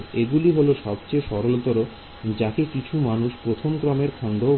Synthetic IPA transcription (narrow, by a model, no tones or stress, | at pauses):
eɡuliɦoloʃɔbt͡ɕeʃɔɾolot̪oɾo | d͡ʑakekit͡ɕʰumanuʃpɾot̪ʰomkɾɔmeɾkʰɔnd̪o